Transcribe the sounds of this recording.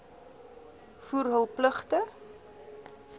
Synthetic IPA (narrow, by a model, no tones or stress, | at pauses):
fuːrɦəlˠpləχtə